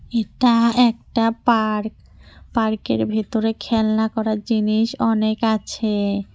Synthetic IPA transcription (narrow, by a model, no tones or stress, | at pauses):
eʈaɛkʈapaɾk | paɾkḛɾbʱit̪oɾekʰɛlnakɔɾaɾd͡ʑiniʃɔnekat͡ɕʰe